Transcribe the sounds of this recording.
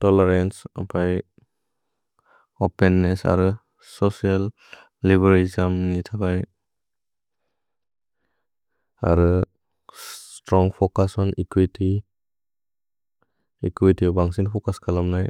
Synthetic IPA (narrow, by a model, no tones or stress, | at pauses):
tɔleɾensa̰pʰaj | openːesa̰ɾɯ | sɔsialː | ibaɾizamnitʰakaj | a̰ɾɯ | tɾɔŋpʰɔkasɔnikwitʰi | ikwitibaŋsinpʰɔkaskʰalamnaj